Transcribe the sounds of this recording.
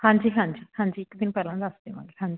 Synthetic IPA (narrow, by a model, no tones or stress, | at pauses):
hãːɲd͡ʒiːɦãːɲd͡ʒiːhãːɲd͡ʒiːɪkd̪ɪnpɛːlãnd̪asd̪emã̰ːɡeɦãːɲd͡ʒiː